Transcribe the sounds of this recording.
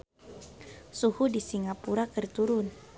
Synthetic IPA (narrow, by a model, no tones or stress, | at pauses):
suhudisiŋɡapuɾakərt̪uɾʊn